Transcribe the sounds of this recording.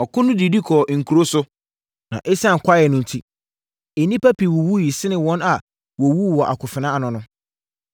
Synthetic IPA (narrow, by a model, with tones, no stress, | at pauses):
ɔ˨kʊ̃˦nʊ̃˦di˨di˦kʰɔ˨ŋ̩˨kʰu˨ɾo˦sʊ˦ | nã̰˨ʔe˦sã˦˨ŋ̩˨kʷʰa˦jɛ˨nʊ̃˦˨n̩˨tʰi˦ | e˨nĩ˦pa˦pʰi˨wɔ˨wu˦ji˨sɪ˦nɪ̃˨wɔ̃˦na˨ | wɔ˨wu˦˨wɔ˨ʔa̰˨kʰʊ˨fɪ˨nã˦a˨nʊ̃˨nʊ̃˦